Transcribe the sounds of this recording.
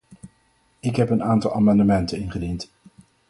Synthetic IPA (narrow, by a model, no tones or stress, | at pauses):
ɪkɦɛpənaːntɑlˠa̰ːmɑndəmɛntənɪnχədint